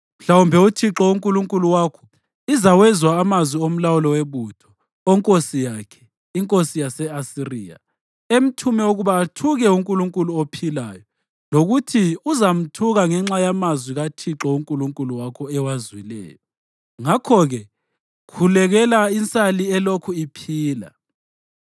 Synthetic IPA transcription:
m̩ɬawumbʱɛutʰiǁɔuŋkʼuluŋkʼuluwaːkʰɔ̥ | izawɛzwaːmazwiom̩lawulɔweβutʰɔ̥ | oŋkʼosijakʰɛ̥ | iŋkʼosijasɛasiriːja̰ | em̩tʰumɛoɣuβaːtʰuɣɛuŋkʼuluŋkʼuluopʰila̰jɔ | loɣutʰiuzam̩tʰuɣaŋɛŋ͡ǁajamazwiɣatʰiǁɔuŋkʼuluŋkʼuluwakʰɔɛwazwilɛ̰ːjɔ | ŋakʰɔɣɛ | kʰulɛɣɛlaint͡sʼaliɛlokʰuipʰiːla̰

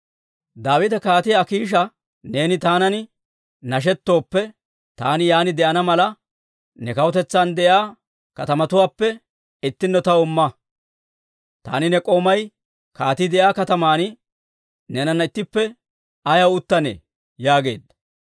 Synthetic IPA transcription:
d̪aːwɪt̪ɐkaːt̪ɪɐkiːʃ̬ɐ | ne̞ːnɪt̪aːnɐnɪ | nɐʃ̬ɛt̪ːo̞ːpːɛ | t̪a̰ːnɪjaːnɪd̪ɛʔɐnɐmɐlɐ | nɛkɐwɔt̪ɛt͡sːaːnd̪ɛʔjaː | kɐt̪ɐmɐt̪ʊwaːpːɛ | ɪt̪ːɪnːɔt̪ɐʊmːɐ | t̪a̰ːnɪnɛkʼo̞ːmɐj | kaːt̪ɪd̪ɛjaːkɐt̪ɐmaːn | nɛnɐnːɐɪt̪ːɪpːɛ | ɐjɐwʊt̪ːɐnḛː | jaːɡe̞̰ːd̪ɐ

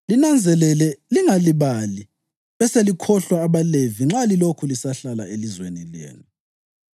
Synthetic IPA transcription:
linand͡zʱɛlɛlɛliŋaliβali | βɛselikʰɔɬwaːβaleviŋ͡ǁalilokʰulisaɬala̰elizwenilḛːnu

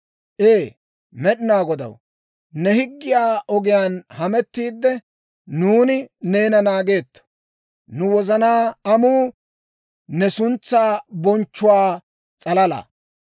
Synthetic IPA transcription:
ʔeː | mɛɗɪnaːɡɔd̪ɐ̰w | nɛhɪɡːɪjaːʔɔɡɪjaːnhɐmɛt̪ːiːd̪ːɛ | nuːnɪneːnɐnaːɡe̞ːt̪ːɐ̥ | nʊwɔzɐnaːɐmuː | nɛsʊnt͡sːaːbɔnt͡ʃːʊwaː | t͡sʼɐlɐla̰ː

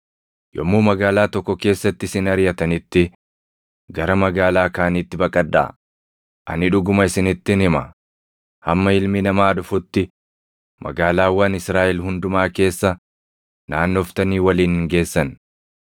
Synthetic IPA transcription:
jɔmːuːmɐɡaːlaːt̪ɔkːɔke̞ːsːɐt̪ːɪsɪnɐɾjɐt̪ɐnɪt̪ːɪ | ɡɐɾɐmɐɡaːlaːkaːnɪt̪ːɪbɐkʼɐd̪ːa̰ː | ʔɐ̰nɪᶑʊɡʊmɐɪsɪnɪt̪ːɪnɪmɐ̰ | hɐmːɐɪlmɪnɐmaːᶑʊfʊt̪ːɪ | mʔɐ̰ɡaːlaːwɐnɪsɾaːʔɛlhʊnd̪ʊmaːke̞ːsːɐ | naːnːoft̪ɐniːwɐliːnhɪŋɡe̞ːsːɐn

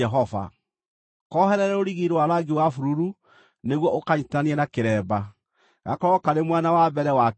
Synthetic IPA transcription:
ɛɦɔva̰ | kɔɦɛɾɛɾɛoɾiɣiɾewaɾaɡewafuɾuɾu | neɣwɔʔokaɲitaniɛnakeɾɛːba | ɣa̰kɔɔkaɾemwanawabɛɾɛwa

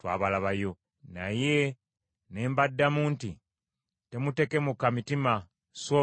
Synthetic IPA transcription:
twa̰ːβalaβajo̞ | naje | ne̞ːmbadːamuːnti | te̞mute̞ke̞mukamitima | so

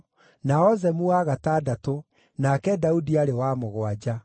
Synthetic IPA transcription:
naɔzɛmuaɣataːdato | nakɛdaudiaɾewamoɣwad͡ʒa

